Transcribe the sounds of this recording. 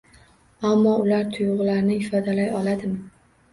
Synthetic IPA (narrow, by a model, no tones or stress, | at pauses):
amːɒʊlaɾt̪ʰʊjʁʊlaɾnɪɪfɒd̪alajɒlad̪ɪmɪ